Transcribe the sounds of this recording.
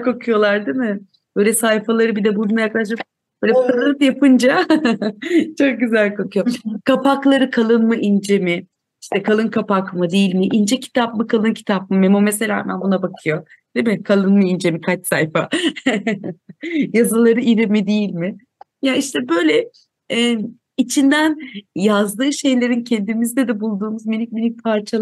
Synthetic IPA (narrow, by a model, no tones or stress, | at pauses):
kʰo̞kʰujo̞lˠaɾd̪imɪ | b̥øjlʲɛsajfalˠaɾɯbid̪ɛbununˠajaklˠaʃ̬lɯk | b̥øːlʲɛk̪ʰalˠɯnjapʰɯnd͡ʒa | t͡ʃʰo̞k̚ɟyzælʲkʰokʰujo̞kʰapʰaklˠaɾɯkʰalˠɯnmɯʔind͡ʒe̞mɪ | iʃt̪ʰɛkʰalˠɯnkʰapakmɯd̪ijilʲmiʔind͡ʒɛcʰi̥t̪ʰap̚mɯkʰalˠɯncʰi̥t̪ʰap̚mɯmemumeselʲa̰ːmæ̰nbunabakʰɯjo̞ | d̪̥emɪkʰalˠɯnmɯind͡ʒemikʰat͡ʃsa̰jfa̰ | jazɯlˠaɾɯiɾimid̪ejilʲmɪ | jaiʃt̪ʰɛbø̞jlʲɛ | it͡ʃʰind̪ænjazd̪ɯːʃe̞jlʲe̞ɾincʰend̪imizd̪ɛd̪ɛbulˠd̪uːmuzminic̚minic̚pʰaɾt͡ʃʰalˠ